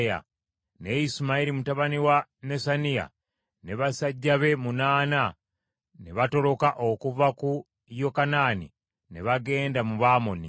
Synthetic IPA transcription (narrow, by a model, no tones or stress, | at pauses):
ja̰ | ne̞isumaiɾimutaβaniwane̞sanija̰ | ne̞βasaɟːaβe̞munaːna | neβato̞ɾo̞kaʔokuvaku | jokanaːnḭ | neβaɡe̞ːndamuβaːmo̞ni